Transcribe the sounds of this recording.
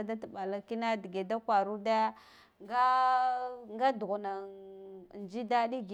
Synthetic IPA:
da˦tɓa˨la˦ki˦na˦di˨ɡe˨da˦kwa˨ɾu˦da˦ | ŋɡa˦ | ŋɡa˦du˨ɣu˨na˨ | nd͡ʒi˦da˦ɗi˦ɡ

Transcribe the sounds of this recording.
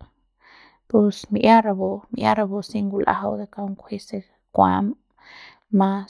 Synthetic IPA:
pu˧smi˧ʔja˦ɾa˧bo˧mi˧˨ja̰˦ɾa˧bo˧si˦ŋɡu˧lʔa̰˦ha˧wd̪e˨ka˧u˦ŋkʷʰi˦se˧ | kʷa̰˧m | ma˧

